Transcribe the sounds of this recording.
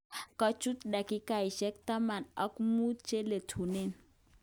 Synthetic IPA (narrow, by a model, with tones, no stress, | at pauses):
kɔ˦t͡ʃu˦t̪ɗa˨ki˦ka˨i˨ʃɛ˦k̚t̪a˦ma˨nɔ˦kmu˦t͡ʃe˦le˨tʰu˨ne˦˨n